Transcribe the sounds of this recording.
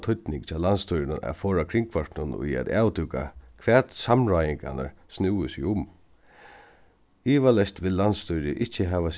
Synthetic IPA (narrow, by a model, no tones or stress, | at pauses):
t̪ʰʊt̪nɪŋkt͡ʃʰaːlanst̪ʰʊjɾɪnaʔa̰fɔːɹakʰɾɪŋkʰvaɹʈ̪nʊnʊ̰jɛ̰t̪a̰ːwt̪uka̰kʰvɛːt̪samɾajɪŋka̰na̰ɹsnɪwəsɪʊm | iːʋalɛst̪ʋɪlːanst̪ʊjɾɪʔɪht͡ʃːəɦɛːʋas